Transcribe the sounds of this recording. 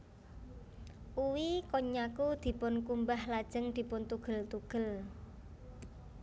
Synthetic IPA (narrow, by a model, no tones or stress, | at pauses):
ʔuwikoɲakud̪̥i̤pʊnkumbahlad̥ʒ̥ə̤ŋd̪̥i̤pʊnt̪uɡ̥ə̤lt̪uɡ̥ə̤l